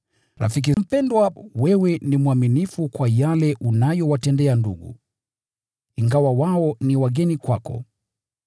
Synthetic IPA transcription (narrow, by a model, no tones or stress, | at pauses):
ɾa̰fik̬im̩pɛndwawɛwɛnimuaminifukwajalɛʔunajɔwatɛndɛandṵɠṵ | iŋɡawawaɔniwaɠɛnikwakɔ̰